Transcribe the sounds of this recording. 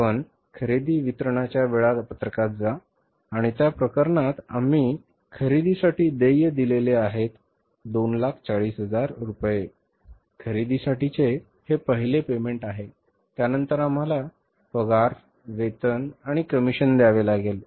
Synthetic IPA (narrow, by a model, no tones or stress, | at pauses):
pəɳ | kʰəɾid̪iːʋit̪ɾəɳ̃at͡ɕjaʋeɭapət̪ɾəkat̪̚d͡za | aɽ̃it̪japɾəkəɾɳat̪a̰m̤iː | kʰəɾid̪isaʈiːd̪ejəd̪ileleaɦet̪ | d̪onlakʰt͡saɭiːsɦəd͡zaɾɾupje | kʰəɾid̪isaʈit͡se | hepəɦilepemeɳʈaɦe | t̪janənt̪əɾam̤ala | fəɡaɾ | ʋet̪ənaɽ̃ikəmiɕənd̪jaʋelaɡel